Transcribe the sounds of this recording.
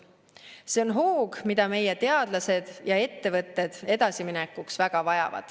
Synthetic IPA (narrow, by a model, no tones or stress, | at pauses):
se̞o̞nɦoːɡ̥mid̪ɑme̞jet̪e̞ɑd̪̥lɑse̞d̪̥jɑe̞t̪ːe̞vɤt̪ːe̞d̪̥e̞d̪ɑsiminekːˑuksvæɡ̥ɑvɑjɑ̰vɑ̰d̪̥